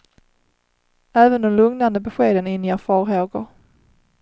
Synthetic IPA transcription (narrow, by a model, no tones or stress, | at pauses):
æːvənd̪ɔmlɵŋnand̪əbɛɧeːd̪ənɪnːɪjafɑːɾɦoːɡʊ̰ɾ